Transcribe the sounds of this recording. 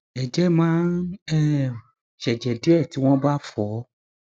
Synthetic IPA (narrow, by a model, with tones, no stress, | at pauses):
ɛ˨d͡ʒɛ˨˦mãː˨˦nɛ˦ | ʃɛ˨d͡ʒɛ˨de˦ɛ˦˨ti˨˦w̃ɔ̃˦ba˦fɔ˨˦